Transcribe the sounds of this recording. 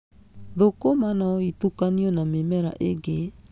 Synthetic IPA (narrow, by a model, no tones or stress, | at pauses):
ðokomanaɔitukaniɔnamemɛɾa̰ʔeɡe